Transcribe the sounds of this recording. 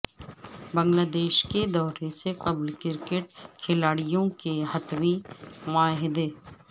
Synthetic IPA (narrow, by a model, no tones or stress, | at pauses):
bɐ̃ŋɡlaːd̪eːʃked̪ɔːɾeseqɐblkɪɾkeʈ̚kʰɪlaːɽijõkeɦɐt̪wiʋãːɦɪd̪eː